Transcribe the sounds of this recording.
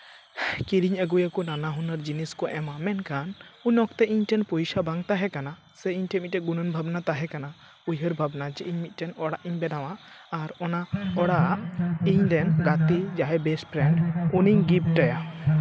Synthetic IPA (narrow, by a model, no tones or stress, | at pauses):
kiɾiɲəɡujakɔnanaɦunəɾd͡ʒiniskɔʔɛmamɛnkanuɲɔkt̪ɛiɲʈɛnpɔjsabaŋt̪aɦɛkana | sɛiɲʈɛmit̪̚ɛʔɡunənbʱabnat̪aɦɛkana | ujəɾbʱabnad͡ʒɛʔiɲmit̪̚ˀʈɛnɔɽaʔiɲbɛdawaːɾɔnaɔɽaʔiɲd̪ɛnɡat̪id͡ʒaɦɛbɛsʈpʰɾɛɳɖuniɲɡip̚ʈaja